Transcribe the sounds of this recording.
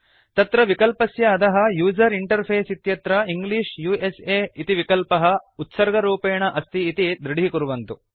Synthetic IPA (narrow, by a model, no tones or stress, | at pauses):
t̪ɐt̪ɾɐʋikɐlpɐsjɐːd̪ɐɦɐ̆juːd͡ʒɐɾiɳʈɐɾpʰeːsit̪jɐt̪ɾɐiŋɡliːʂjuːeseːit̪iʋikɐlpɐɦɐut̪sɐɾɡɐɾuːpeːɳɐʔɐst̪ʰiːt̪id̪ɾiɽiikuɾuʋɐnt̪u